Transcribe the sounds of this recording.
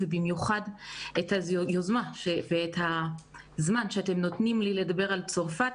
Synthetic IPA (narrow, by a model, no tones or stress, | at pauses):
vebimjuχadethajozmaʃeveːtha | zmanʃeate̞mno̞tnimlile̞dabe̞ʁalt͡so̞ʁfa